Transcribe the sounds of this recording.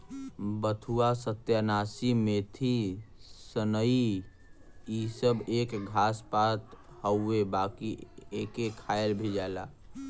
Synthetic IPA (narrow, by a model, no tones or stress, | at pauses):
bət̪ʰuasət̪janaːsimet̪ʰi | sənəi | isəbeːkɡʱaːspaːt̪həebaːkieːkekʰaːjlbʱid͡ʒaːlaː